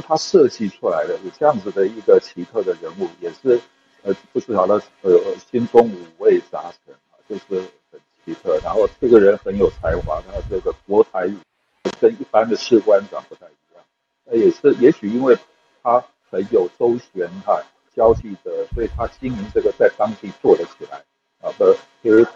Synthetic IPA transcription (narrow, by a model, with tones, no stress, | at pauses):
t̪ʰa˥ʂɤ˥˧t͡ɕi˥˩ʈ͡ʂʰu˥la˧˥ɪd̪ə˧jʈ͡ʂɤ˥˧jɑ˥˩ŋd͡z̩˩d̪ə˩i˧˥ɡə˨t͡ɕʰi˧˥t̪ʰɤ˥˩d̪ə˩ɻə˧˥nu˥˩jɛ˨˩ʂɻ̩˥˩ | ə˧˥pu˥˩ʈ͡ʂɻ̩˥˩ɑ˨˩ʊlə˧ | ə˧˩˧ɕi˥nt͡sʊ˥ŋu˨˩we˥˩ɪt͡sa˧˥ʈ͡ʂʰə˧˥na˧t͡ɕjo˥˧ʊʂɻ̩˥˩ | xə˨˩nt͡ɕʰi˧˥t̪ʰɤ˥˩na˧˦nxo˥˧ʊʈ͡ʂɤ˥˩ɡə˩ɻə˧˥nxə˧˥njo˨˩ʊt͡sʰa˧˥ɪxwɑ˧˥d̪ʈ͡ʂɤ˥˩ɡə˩kwɔ˧˥t̪ʰa˧˥ɪ˨˩ | o˥˩kə˥ni˥˩pa˥nd̪ə˨ʂʰɻ̩˥˧kwa˥nwa̰˨˩npu˧˥t͡sa˥˩ɪi˧˥jɑ˥˩ŋ | ə˧jɛ˨˩ʂɻ̩˥˩jɛ˧˥ɕy˨˩i˥nwe˥˩ɪ | t̪ʰa˥ | xə˧˥njo˨˩ʊʈ͡ʂo˥ʊɕɥɛ˧˥nɐ˧ | t͡ɕjɑ˥ʊt͡ɕi˥˩d̪ə˩swɔ˧˥i˨˩t̪ʰa˥t͡ɕi˥nmi˧˥nʈ͡ʂɤ˥˩ɡə˨˩t͡sa˥˩ɪt̪ɑ˥ŋt͡ɕi˥˧t͡swɔ˥˩lə˨˦t͡ɕʰi˨˩la̰˧˦ɪ | ə˧t̪ə˧t͡ɕʰi˧˥˧